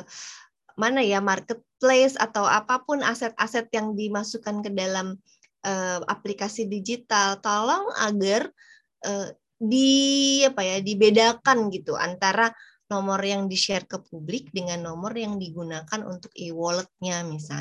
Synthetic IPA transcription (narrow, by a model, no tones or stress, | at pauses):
manajamarkət̪̚plesa̰t̪awa̰papʊnasɛt̪̚asɛt̪̚jaŋdimasukankədalam | ʔəa̰plikasidid͡ʒit̪alt̪alɔŋa̰ɡar | ʔə | diapajadibedakanɡit̪uʔa̰nt̪aɾa | nɔmɔrjaŋdiʃɛrkəpublɪk̚dəŋanːɔmɔrjaŋdiɡunakanṵnt̪ʊkiwɔlət̪̚ɲamisa̰l